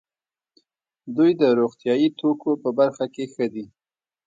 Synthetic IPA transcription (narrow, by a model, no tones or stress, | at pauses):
d̪ujd̪əɾoɣt̪jɑjit̪okopəbaɾxakexəd̪i